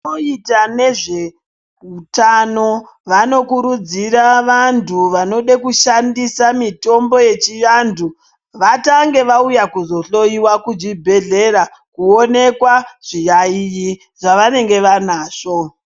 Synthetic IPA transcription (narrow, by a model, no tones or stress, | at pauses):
oitane̞ʐe̞ | utano̞ | ʋano̞kuɾud͡ziɾaʋantʰuʋano̞ɗekuʃandisamito̞mbo̞je̞t͡ʃijandu | ʋataŋɡe̞ʋaujakuzo̞ɬo̞iwakud͡ʒibʱe̞ɮe̞ɾa | kuone̞kwaʐ̥ijaiji | ʐaʋane̞ŋɡe̞ʋanaːʂo̞